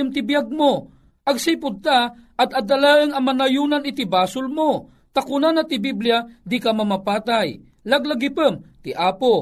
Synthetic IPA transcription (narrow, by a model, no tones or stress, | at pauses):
əmt̪ɪbjaɡ̚mo | ʔɐɡsipʊd̪̚t̪a | ɐd̪ɐd̪ɐlaəŋɐmanajuːnanɪt̪ibaːsʊlmo | t̪akʊnanat̪ɪbiblijad̪ikamɐmapaːt̪aj | laɡlaɡipəmt̪ɪʔaːpo